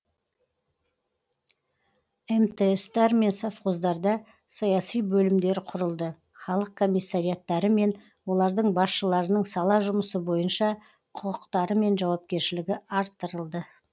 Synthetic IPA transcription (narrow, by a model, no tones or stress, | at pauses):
emt̪est̪ɑɾme̞nsafqozd̪ɑɾd̪ɑ | sɑjɑsijbɵlɪmd̪e̞ɾɪqʰʊɾəlˠd̪ə | χɑlˠəq̚kʰo̞mijsːaɾijɑt̪ːɑɾəme̞n | wo̞lˠɑɾd̪əɴbɑsʃəlˠɑɾənəɴsɑlˠɑʒʊməsəbo̞jənʃɑ | qʰʊqəqt̪ɑɾəme̞nʒɑwɑp̚kʲe̞ɾʃɪlɪɡʲɪɑɾt̪ːəɾəlˠd̪ə